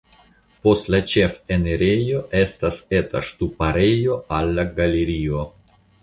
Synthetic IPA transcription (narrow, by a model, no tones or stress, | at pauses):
po̞stlat͡ʃe̞feneɾejo̞ʔe̞stase̞ta̰ʃtupaɾe̞jo̞ʔalːaɡaleɾio̞